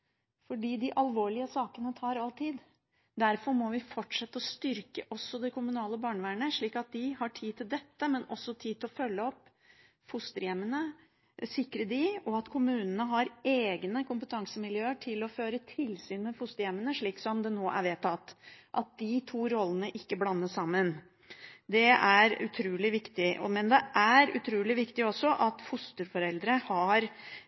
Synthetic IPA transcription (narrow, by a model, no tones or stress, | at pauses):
fɔɖiːd̪ɪʔɑlʋoːɭɪəsɑːkənət̪ʰɑːɾɑlt̪ʰiːd̪ | d̪æɾfɔɾmɔʋɪfɔʈʂɛt̪ːəɔst̪ʏɾkəʔɔsːɔd̪ɛkʰʊmʉnɑːləbɑːɳəʋæːɳəʂɭiːkɑt̪̚d̪ɪhɑʈʰiːd̪̚t̪ʰɪld̪ɛt̪ːəmɛnʔɔsːɔt̪ʰiːt̪ɪlɔfœlːəɔpː | fʊst̪əɾjɛmənə | sɪkɾəd̪ɪɔɑt̪kʰʊmʉːnənəɦɑɾeːɡnəkʊmpət̪ʰɑŋsəmɪljøːəʈʰɪlɔføːɾət̪ʰɪlsyːnmɛfʊst̪əɾjɛmːənəʂɭiːksɔmd̪ɛnoːʔæɾʋeːt̪ʰɑt̪ːʔɑt̪̚d̪ɪt̪ʰuːɾɔlːənəʔɪkːəblɑnːəsɑmːən | d̪ɛæɾʉ̰t̪ʰɾuːlɪʋɪkt̪ɪmɛnd̪ɛʔæɾʉ̰t̪ʰɾuːlɪʋɪkt̪ɪɔsːɔʔɑt̪fʊst̪əɾfɔɾɛld̪ɾəhɑɾ